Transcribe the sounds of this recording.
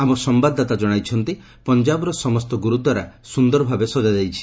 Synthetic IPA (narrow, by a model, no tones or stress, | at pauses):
amɔsɔmbad̪ʱːat̪ad͡ʒɔɽ̃ajt͡ʃʰɔnt̪i | pɔnd͡ʒabɔɾɔsɔmɔst̪ɔɡuɾut̪ɔɾa̰sund̪ɔɾɔbʱabesɔd͡ʒad͡ʒajt͡ʃʰi̥